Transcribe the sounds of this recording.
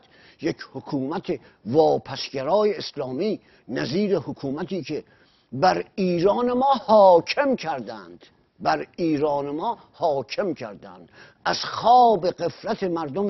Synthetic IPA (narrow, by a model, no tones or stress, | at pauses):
jekʰhokʰuːmæt̪ʰe | vɒːpʰæsɟæɾɒːjeːslɒːmiː | næziːɾe̞hokʰuːmæt̪iːkʰe̞ | bæɾiːɾɒːnemɒːhɒːcʰe̞mkʰæɾd̪ænd̪̥ | bæɾiːɾɒːnemɒː | hɒːkʰe̞mcʰæɾd̪æ̰nd̪̥ | æz̥xɒːbe̞ɣe̞fɾæt̪ʰemæɾd̪om